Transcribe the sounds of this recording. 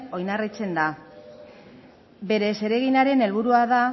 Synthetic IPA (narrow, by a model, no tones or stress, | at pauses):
o̞jnarit͡se̞nd̪a | be̞ɾe̞se̞ɾe̞ɣ̞inaɾe̞ne̞lβuɾuaða